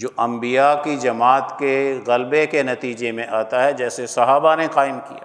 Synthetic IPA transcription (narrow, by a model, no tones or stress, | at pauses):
d͡ʒoːʔɐ̃mbijakid͡ʒɐmaːt̪keɣɐlbekenɐt̪iːd͡ʒemẽʔaːt̪aɦɛd͡ʒɛːsesɐɦaːbaneqaːɪmkija̰ː